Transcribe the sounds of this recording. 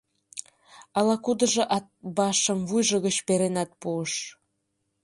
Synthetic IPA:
ɑlɑkud̪ɤ̆ʒɤ̆ʔɑt̪̚bɑʃɤ̆mvujʒɤ̆ɣə̆t͡ɕpeɾenɑt̪̚puəʃ

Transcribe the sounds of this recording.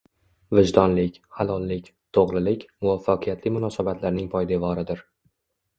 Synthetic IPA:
vɪd͡ʒd̪ɒnlɪkʲhalˠɒlˠlɪkʲ | t̪ʰoʁlˠɪlɪkʲmʊvafːaqʰɨjat̪ʰlɪmʊnɒsabat̪laɾnɪŋpʰɒjd̪evɒɾɪd̪ɪɾ

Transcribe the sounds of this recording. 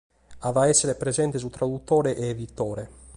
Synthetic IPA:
avaɛsːeɾepɾezɛnt̪es̬ut̪ɾad̪ut̪ːɔːɾeʔeːvit̪ːɔːɾe

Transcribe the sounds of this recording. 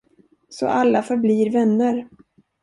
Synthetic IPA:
sɔ̰ʔalːafœɾbliːɾvɛnːəɾ

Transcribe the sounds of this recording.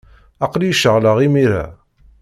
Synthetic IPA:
ɑqljiʃəʁləʁimiɾæ̰

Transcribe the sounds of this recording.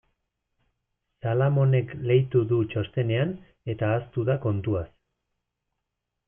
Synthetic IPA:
salamo̞ne̞kle̞jt̪uðut͡ʃost̪e̞ne̞an | e̞t̪aːst̪uðako̞nt̪uas

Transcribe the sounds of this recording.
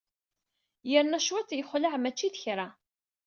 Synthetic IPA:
jəɾnæʃwæt͡sːjəχʷlaʕmæt͡ʃːiθəçɾa

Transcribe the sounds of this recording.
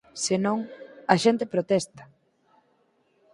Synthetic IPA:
senõŋɐʃent̪epɾot̪ɛst̪ɐ̥

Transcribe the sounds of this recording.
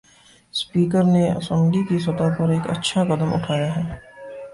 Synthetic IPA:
spiːkəɾneɐ̰sə̃mɡikisɐt̪apɐɾeːkɐ̰tːʃʰakɐd̪əmʊ̰ʈʰaːjaɦɛː

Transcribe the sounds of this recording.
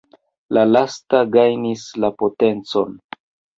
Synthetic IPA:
lalastaɡajnislapo̞te̞nt͡so̞n

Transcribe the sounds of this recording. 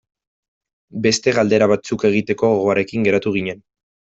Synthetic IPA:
be̞st̪e̞ɣald̪e̞ɾaβat͡suke̞ɣ̞it̪e̞ko̞ɣoɣo̞aɾe̞kiŋɡe̞ɾat̪uɣ̞iɲe̞n

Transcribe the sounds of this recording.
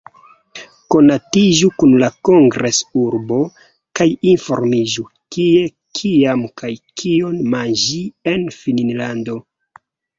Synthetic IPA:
ko̞natiʒukunlakoŋɡɾe̞suɾbo̞ | kajinfo̞̰ɾmiʒu | kie̞ | kʰiamkajkʰionmand͡ʒie̞nfininlando̞

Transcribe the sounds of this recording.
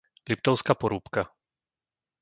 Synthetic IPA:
lipt̪ɔʊskapɔɾuːpka

